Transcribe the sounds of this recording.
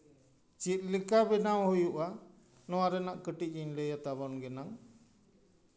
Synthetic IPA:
t͡ʃit̪̚ˀlikabɛnawhujuʔa | nɔwaɾɛnaʔkəʈic̚ˀɲiɲlɛjat̪aβɔnɡɛnaŋ

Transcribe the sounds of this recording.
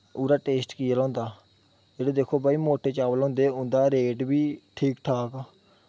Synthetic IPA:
uːɾaːʈeːsʈkiːalɔ̃ːnd̪aː | d͡ʒeːɽeːd̪eːkʰoːbaːiːmoːʈeːt͡ʃaːʋlɔ̃ːnd̪eːʊnd̪aːɾeːʈbiːʈʰiːkʈʰaːkaː

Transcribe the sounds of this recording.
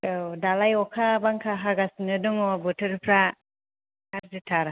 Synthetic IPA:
odalajɔkʰabaŋkʰaɦaɡasnɯdɔŋɔbɔtʰɯɾpʰɾa | haɾzitʰaɾa

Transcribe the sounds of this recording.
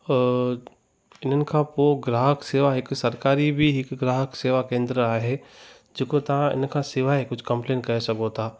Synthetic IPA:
ɪnənkãpoɡɾaːɦəkseːʋaɦɪksɐɾkaːɾibʱiɪkɡɾaːɦəkseːʋakẽːnd̪ɾəaːɦɛ | d͡ʒɪkot̪ɐãɪ̰nkasɪʋaɦekʊt͡ʃʰkɐ̃mpleːnkɛɦsɐkot̪aː

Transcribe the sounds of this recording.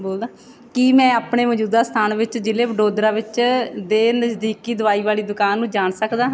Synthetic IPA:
boːld̪aː | kiːmɛ̃ːaːpɳeːməd͡ʒuːd̪aːst̪ʰaːnʋɪt͡ʃd͡ʒɪleːbəɖoːd̪ɾaːʋɪt͡ʃd̪eːnəsd̪iːkiːd̪ʊʋaːiːʋaːliːd̪ʊkaːnːũːd͡ʒaːɳsəkd̪aː

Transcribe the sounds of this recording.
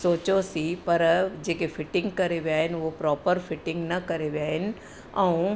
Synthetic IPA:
soːt͡ɕosipɐɾd͡ʑeːkefʰɪʈɪ̃ŋɡ̚kɐɾeʋiaːɦɪnʋopɾɔːpəɾfʰɪʈɪ̃ŋɡnɐkɐɾeʋjaːɦɪnɪ̆ | ɛ̃ũ

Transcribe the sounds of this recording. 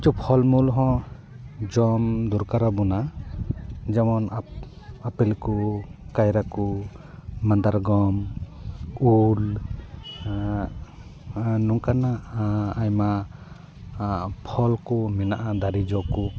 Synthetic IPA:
t͡ʃupʰɔlmulɦɔ̃ | d͡ʒɔmd̪uɾkaɾabɔna | d͡ʒamɔn | apɛlkukajɾaku | mand̪aɾɡɔm | ul | nɔŋkanaʔːjma | pʰɔlkɔmɛnaʔad̪aɾid͡ʒɔku

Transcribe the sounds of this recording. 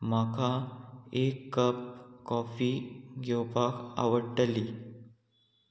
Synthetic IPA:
məkʰaekːəp̚kɔfiːɡʱewpaka̰ʋəɽʈəliː

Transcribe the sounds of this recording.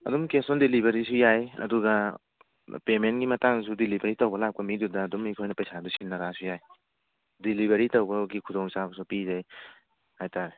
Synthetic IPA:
ɐ̰dumkesɔndilibɐɾisujajɐ̰duɡa | pementɡimɐtaŋsudilibɐɾitɐwbɐlap̚kɐmidudɐːdumikʰojnɐpɐjsadusinːɐɾasujaj | dilibʱɐɾitɔwbɐɡikʰudɔŋsabɐsupizaj | hajtaɾe

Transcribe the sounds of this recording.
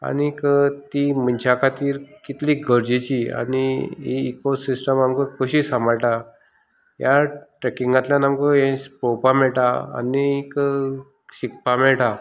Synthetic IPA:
a̰nikət̪imənt͡ɕʰakat̪iːɾkit̪liɡʱəɾd͡ʑet͡ɕia̰niḭːkosisʈəmamkəkəɕiːsaməɭʈa | jaʈɾekiŋɡãt̪ljãnamkəẽspowpamɛɭʈaa̰nik | ɕik̚pamɛɭʈa

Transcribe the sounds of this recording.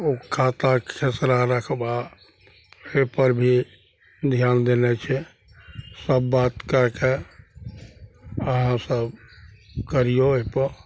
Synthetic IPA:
okʰat̪akʰesɾaɾəkʰba | epəɾbʱi | d̪ʱjand̪enɛt͡ʃʰɛ | səbːat̪kəɾke | əɦãsəb | kəɾijoepəɾ

